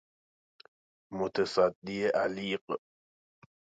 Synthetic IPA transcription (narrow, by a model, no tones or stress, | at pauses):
mot̪ʰesæd̪ːieʔæliːq